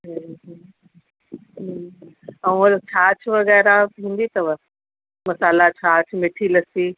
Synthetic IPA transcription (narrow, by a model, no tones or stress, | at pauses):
ɦɦ | ɦ | ɐ̃ũɐlt͡ɕʰaːt͡ɕʰʋɐɣɛːɾaĩːn̆d̪it̪ɐʋɐ | mɐsaːlat͡ɕʰaːt͡ɕʰmɪʈʰilɐsiː